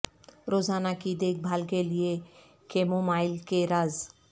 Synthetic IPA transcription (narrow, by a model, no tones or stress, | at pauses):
ɾoːzaːnakid̪eːk̚bʱaːlkelɪe | keːmomaːɪlkeɾaːz